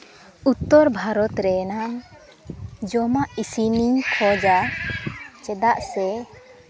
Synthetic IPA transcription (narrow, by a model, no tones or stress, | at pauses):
ut̪ːɔɾbʱaɾɔt̪ɾɛnam | d͡ʒɔmaʔisinikʰɔd͡ʒa | t͡ʃɛd̪aʔsɛ